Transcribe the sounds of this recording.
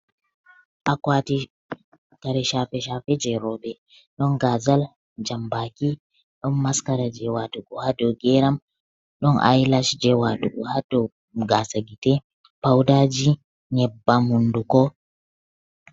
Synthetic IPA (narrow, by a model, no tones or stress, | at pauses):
ʔakwati | kaɾɛʃafɛʃafɛd͡ʒɛɾɔbɛ | ɗɔnɡazal | d͡ʒambaki | ɗɔnːaskaɾad͡ʒɛwatuɡɔhadɔɡɛɾam | ɗɔnʔa̰jlaʃd͡ʒɛwatuɡɔhadɔ | ɡasaɡitɛ | pawdad͡ʒi | ɲɛbːamundukɔ